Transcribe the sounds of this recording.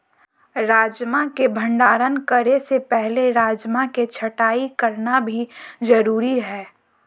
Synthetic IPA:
ɾaːd͡ʒmãkebʱə̃ɳɖaːɾənkəɾesepɛɦleɾaːd͡ʒmãket͡ʃʰɐʈaːikəɾnabʱizəɾuːɾiɦɛː

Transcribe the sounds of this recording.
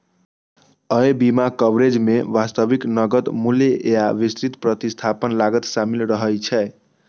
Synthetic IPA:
əjbimakəbɾed͡ʒmeʋast̪əʋiknəɡət̪mulejaʋist̪ɾit̪pɾət̪ist̪ʰapənlaɡət̪samilɾəɦəjt͡ʃʰɛ

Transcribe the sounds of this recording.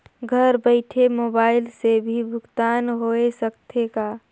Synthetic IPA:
ɡʱəɾbəɪʈʰemobaːɪlsebʱibʱʊkt̪anɦoesəkt̪ʰeka

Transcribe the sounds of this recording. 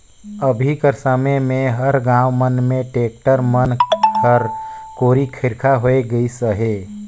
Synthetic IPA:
əbʱikəɾsəmemẽɦəɾɡãːwmənmẽʈeːk̚ʈəɾmənkʰəɾkoːɾikʰɪɾkʰaɦoeɡəisəɦe

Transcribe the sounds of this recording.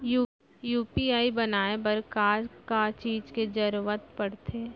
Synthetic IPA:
ju | juːpiaːibɐnaːebɐɾkaːɾkat͡ʃiːd͡ʒked͡ʒɐɾuʋət̪pɐɽt̪ʰeː

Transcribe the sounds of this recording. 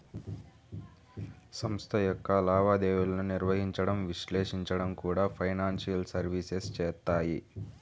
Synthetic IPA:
sɐmst̪ʰɐjɔkːɐlaːʋaːd̪eːʋulɐnuniɾʋɐɦiɲt͡ʃɐɽɐmʋiʃlɛːʂiɲt͡ʃɐɽɐmkuːɽaːpʰɐjnaːnʂijɐlsɐɾʋiːsest͡ʃɛːt̪ːaːji

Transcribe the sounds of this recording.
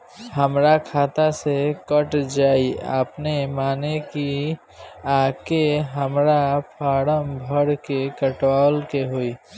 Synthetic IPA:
ɦəmɾakʰaːt̪asekəʈd͡ʒaːia̰pnemaːneki | aːkeɦəmɾapʰaːɽəmbʱəɽkekəʈwaːlkeɦoi

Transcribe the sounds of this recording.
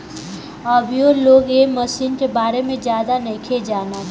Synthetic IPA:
əbijoloːɡeməsiːnkebaːɾemẽd͡ʒjaːd̪anekʰed͡ʒaːna

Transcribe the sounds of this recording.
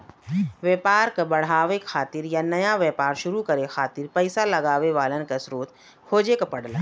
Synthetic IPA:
ʋɛːpaːɾkabɐɽ̤aːʋekʰaːt̪ɪɾjanɐjaʋjɛːpaːɾʃʊɾukɐɾexʰaːt̪ɪɾpɛɪsalɐɡaːʋeʋaːlənkasɾoːt̪ | kʰoːd͡ʒekapɐɽlaː

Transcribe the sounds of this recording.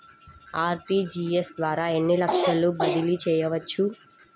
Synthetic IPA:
aːɾʈiːd͡ʒiːesd̪ʋaːɾaːenːilɐkʂɐlːubɐd̪ilit͡ʃɛːjɐʋɐt͡ʃːʃːu

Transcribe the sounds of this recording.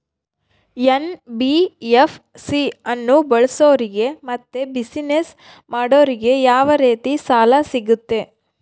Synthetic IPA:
jenbijepʰ | siɐnːubɐɭɐsoːɾiɡe̞mɐt̪ːebisines | maːɽo̞ːɾiɡe̞jaːʋɐɾeːt̪isaːlɐsiɡut̪ːe

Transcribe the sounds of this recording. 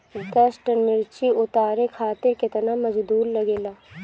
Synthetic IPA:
d̪ɐsʈənɪɾt͡ʃiʊt̪aːɾekʰaːt̪ɪɾkɪt̪namɐd͡ʒd̪uːɾlɐɡeːlaː

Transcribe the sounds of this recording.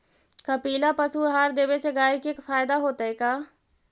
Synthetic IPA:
kəpiːlapəsuɦaːɾd̪eːbeseɡaːikekfʰaːjɪd̪aɦoːt̪aɦɛkaː

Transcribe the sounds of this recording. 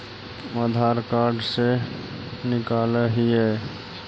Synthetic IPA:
ad̪ʱaːɾkaɾɖse | nɪkaːləɦiɦɛ

